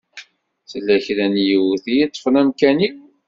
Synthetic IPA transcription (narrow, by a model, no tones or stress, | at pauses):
θəlːæçɾænjiwθijit̪ˤːə̥fənæmkæni